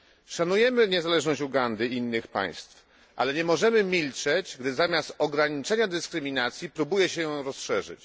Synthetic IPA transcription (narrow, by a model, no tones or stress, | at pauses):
ʂanujɛmɘɲɛzalɛʐnɔɕt͡ɕuɡand̪ɘinːɘxpa̰j̃st̪f | ʔa̰lɛɲɛmɔʐɛmɘmʲilt͡ʂɛd͡ʑɡd̪ɘzamʲjast̪ɔɡɾaɲit͡ʂɛɲad̪ɘskɾɘmʲinat̪sʲjipɾubujɛɕɛjɾɔsʂɛʐɘ̰t͡ɕ